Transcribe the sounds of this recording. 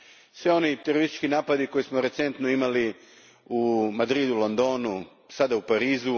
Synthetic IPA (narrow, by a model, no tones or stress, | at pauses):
sʋio̞nit̪e̞ɾoɾist̪i̥t͡ʃkinaːpad̪iko̞jesmoɾe̞t̪sent̪noimali | umad̪ɾid̪ulond̪o̞ːnu | sad̪aupaɾiːzu